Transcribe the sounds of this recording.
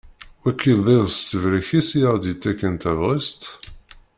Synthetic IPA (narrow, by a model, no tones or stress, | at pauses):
wækːilðˤiðst̪ːəvɾəçisjæʁd̪it̪ːækːənt̪ævʁist̪